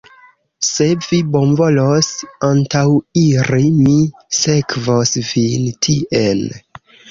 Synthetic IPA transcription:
se̞vibo̞nvo̞losantawiɾimise̞kvosvintʰiʔel

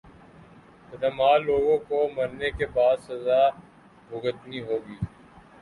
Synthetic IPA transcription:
tɐd̪ɐmaːlːoːɡõkomɐɾnekebaːd̪sɐzaː | bʱʊɡət̪niɦoːɡiː

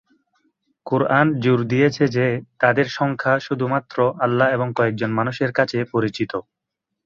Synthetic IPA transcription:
kuɾand͡ʑuɾd̪ijet͡ɕʰed͡ʑet̪ad̪eɾʃɔŋkʰaʃud̪ʱumat̪ːɾoʔalːaeboŋkɔek̚d͡ʑonmanuʃeɾkat͡ɕʰepoɾit͡ɕit̪o

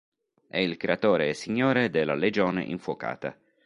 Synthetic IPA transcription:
ɛilkɾeat̪oːɾeːsiɲːoːɾed̪elːa̰led͡ʒoːnḛʔiɱfwoka̰ːt̪a̰

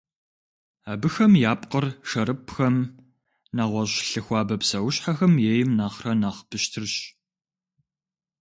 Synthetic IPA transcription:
aːbɨxɐmjaːpʼqərʂɐɾɨpxɐm | naːʁʷɔɕɬɨxʷɑːbɐpsɐwʊɕħaxɐmjeːjɪmnaːχrɐnaːχb̥ɨɕtʰɨrɕ

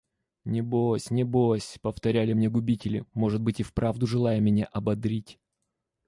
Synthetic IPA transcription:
nʲɪbosʲnʲɪbosʲpəft̪ɐɾʲælʲɪmnʲe̞ɡʊbʲitʲɪlʲɪ̰mo̞ʐɨd̪̚bɨtʲɪfpɾavd̪ʊʐɨlˠajəmʲɪnʲeʔɐbɐd̪ɾʲitʲ

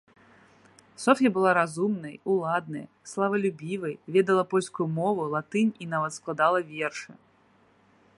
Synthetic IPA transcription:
sɔfʲɐbɨlˠaɾazumnɐjulˠad̪nɐ̰j̰ | slˠavɐlʲubʲivɐjvʲɛd̪ɐlˠɐpɔlʲskujumɔvulˠat̪ɨnʲinavɐt̪sklˠad̪alˠɐvʲɛrʂɨ

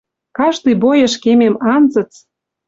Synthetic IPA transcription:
kɑʃt̪ijbojə̆ʃkememɑnzə̆t͡s

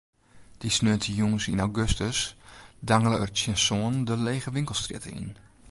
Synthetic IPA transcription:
d̥isnøətʰəjuŋəsinawɡøstəsdaŋələərtjənsoːəndəleːɣəʋɪŋklˠstrɪ̰tə̰ḭn

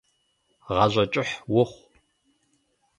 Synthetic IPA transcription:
ʁɑʑʷɐt͡ʃʼɪħwʊχʷ

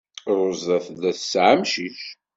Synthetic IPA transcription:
ɾˤʊzˤæθðæθsʕamʃiʃ

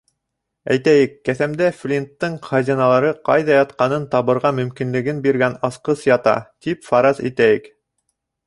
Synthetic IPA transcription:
æjt̪æjɘkːæθæmd̪æflʲint̪ːɤɴχɑzʲinɑlˠɑɾɤqɑjðɑjɑt̪̚qɑnɤnt̪ɑβɤ̆ɾʁɑmɵ̆mkinlɘ̆ɡɘnbiɾɡænɑsqɤsjɑt̪ɑ̰t̪ipfɑɾɑzḭt̪æjɘk

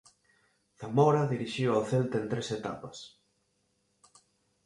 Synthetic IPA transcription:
θamoɾaðiɾiʃiwawθelt̪ɐent̪ɾeset̪a̰pɐs

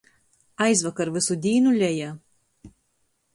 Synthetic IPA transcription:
ɐɪsʋɐkɐɾʋʲɪsud̪ʲiːnʊlʲɛjɛ

